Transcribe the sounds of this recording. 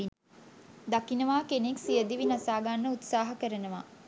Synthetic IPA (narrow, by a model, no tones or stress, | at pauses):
d̪akinəʋaːkeneksijəd̪iʋinasaːɡanːəut̪saːɦɐkəɾənəʋa